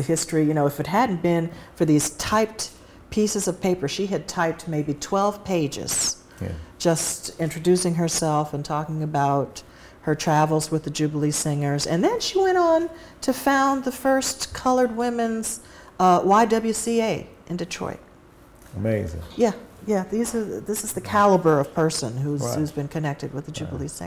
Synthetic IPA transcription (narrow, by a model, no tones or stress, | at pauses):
ɨhɪstɹ̥ijɨñoʊɨfɨt̚ɦædⁿn̩b̥ɪ̃nfə˞ðiz̥tʰaɪp̚t | pʰisɨzʌv̥pʰeɪpə˞ʃiɨd̚tʰaɪp̚t̚meɪbitʰw̥ɛlˠv̥pʰeɪd͡ʒɪ̰z̥ | j̰d̥ʒ̥ʌstɪ̃nt͡ʃɹ̥ɨdʉsɪ̃ŋə˞sɛlˠfɨ̃ntʰɔkɪ̃ŋɨbaʊt̚ | hə˞tʰɹ̥ævl̩ˠzwəðɨd͡ʒʉbl̩ˠisɪ̃ŋə˞zɨ̰̃nðɨ̃nʃiwɛ̃ɾ̃n̩ | tʰɨfãʊ̃nðɨfɜ˞skʰʌlˠə˞d̚wɪ̃mɨ̃nz̥ | waɪdʌbl̩ˠjʉsieɪ | ʔɨ̃ndɨtʰɹ̥ɔ̰ɪt̚ | əmeɪzɪ̰̃ŋjæjæðizə˞ðɪsɨzðɨkʰælˠəbə˞ʌv̥pʰɜ˞sə̰̃nɦuzhʉzbɨ̃nkʰɨnɛk̚tɨd̚wɨðɨd͡ʒʉbl̩ˠisɪ̰̃ŋ